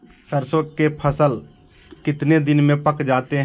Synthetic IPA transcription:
səɾsoːkepʰəsəl | kɪt̪ned̪ɪnmẽpəkd͡ʒaːt̪eɦ

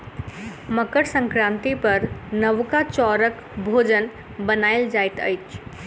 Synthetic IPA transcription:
məkəɽsə̃ŋkɾãːnt̪ipəɾnəʋkat͡ʃɔɾək | bʱod͡ʒən | bənaɪld͡ʒajt̪ə̰jt͡ʃʰ

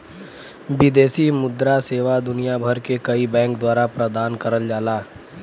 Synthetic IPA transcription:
bɪd̪eːsimʊd̪ɾaseːʋad̪ʊnijabʱəɾkekɐibɛ̃ːŋkd̪waːɾapɾəd̪aːnkəɾəld͡ʒaːlaː

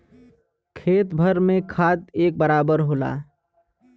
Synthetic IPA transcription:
kʰeːt̪bʱəɾmẽkʰaːt̪eːk̚bəɾaːbəɾɦoːla̰ː

